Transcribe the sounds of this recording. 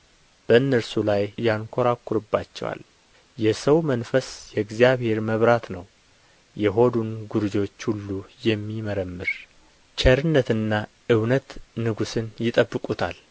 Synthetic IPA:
b̥əɨnːəɾsulajjaŋkʷʰoɾakʰːɔɾɨbːa̰t͡ʃːɛ̰wa̰l | jɛsəwmənfəsjɛɡzjaβhe̞ɾməβɾat̪nəw | jɛɦo̞d̪unɡuɾd͡ʒo̞t͡ʃːhulːujɛmːiməɾəmːɨɾ | t͡ʃʰʼɛɾɨnːət̪ɨnːa | ʔɨwnət̪nɨɡusɨnjɪt̪ʼəbːɨkʼut̪ʰa̰l

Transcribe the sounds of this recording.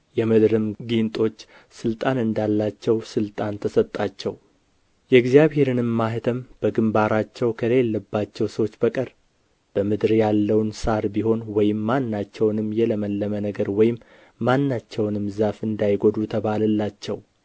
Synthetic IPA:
jɛmɨd̪ɾɨmɡint̪ʼo̞t͡ʃː | sɨlt̪ʼanɨnd̪alːat͡ʃːɛwsɨlt̪ʼant̪ʰəsət̪ʼːat͡ʃːɛw | jɛɡzjaβhe̞ɾɨnɨmːaɦɨt̪ʰəmb̥əɡɨmbaɾat͡ʃːɛwkʰəlelːəbːat͡ʃːɛwsəwt͡ʃːbəkʼəɾ | b̥əmɨd̪ɾjalːəwnsaɾbiho̞nwɔjɪmːanːat͡ʃːɛwnɨmːjɛləməlːəmənəɡəɾwɔjɪmː | anːat͡ʃːɛwnɨmzafɨnd̪ajɡod̪ut̪ʰəβalɨlːat͡ʃːɛw

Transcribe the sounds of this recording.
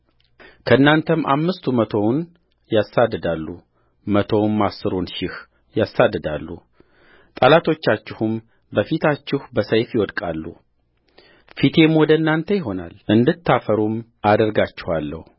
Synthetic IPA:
kʰəɨnːant̪ʰəmʔa̰mːɨst̪ʰumət̪ʰo̞wn | jasad̪ːɨd̪alːu | mət̪ʰo̞wmːasːɨɾonʃɪh | jasːad̪ːɨd̪alːṵ | t̪ʼalat̪ʰo̞t͡ʃːat͡ʃːɪhum | bəfit̪ʰat͡ʃːɪhbəsəjfjɪwɔd̪kʼalːṵ | fit̪ʰe̞mwɔd̪əɨnːant̪ʰəjɪɦo̞na̰lʔɨnd̪ɨt̪ʰːafəɾum | ad̪əɾɡat͡ʃːɪhalːə̰hu

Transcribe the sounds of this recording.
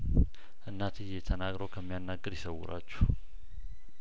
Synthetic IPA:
ʔɨnːat̪ʰɨjːɛt̪ʰənaɡɾəwkʰəmːijanːaɡːəɾjɪsəwːʊɾa̰t͡ʃːu̥h

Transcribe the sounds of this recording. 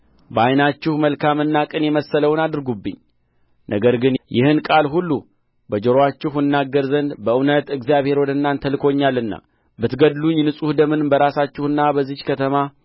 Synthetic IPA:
bəajnat͡ʃːɪhməlkʰamɨnːakʼɨnjɛməsːələwnad̪ɨɾɡubːɨ̰ɲː | nʔəɡəɾɡɨnjɪhɨnkʼalɦulːu | bəd͡ʒəɾowat͡ʃːɪhmɨnːaɡːəɾzənd̪bəʔɨwnət̪ɨɡzijaβhe̞ɾwɔd̪ənːant̪ʰəlɨkʰo̞ɲːalɨnːa̰ | bɨt̪ɡəd̪luɲːnɨsʼuhd̪əmɨnbəɾasat͡ʃːɪhɨnːabəzːihkʰət̪ʰəma

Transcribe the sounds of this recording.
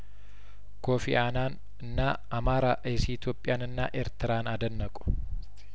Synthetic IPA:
koːfḭʔaːnaːn | ɪnːaː | ɐmaːɾaːʔesiɪt̪joːpʼːɪjaːnɪnːa̰ːʔeːɾt̪ɪɾaːnad̪ɐnːɐkʼʊ̥

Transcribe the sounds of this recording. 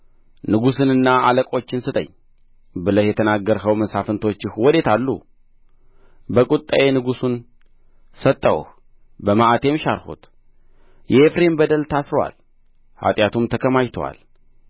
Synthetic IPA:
nɨɡusɨnɨnːaaləkʼo̞t͡ʃːɪnsɨt̪ʼə̰ɲː | bɨləhjɛt̪ʰənaɡːəɾɦəwməsafɨnt̪ʰo̞t͡ʃːɪhwɔd̪e̞t̪ʰalːṵ | bəkʼut̪ʼːaʔe̞nɨɡusun | sət̪ʼːəwṵh | bəmaʔat̪ʰe̞mʃaɾhṵt̪ | jɛefɾembəd̪əlt̪ʰasɾowa̰l | ha̰t̪ʼjat̪ʰumt̪ʰəkʰəmajt̪ʰowa̰l

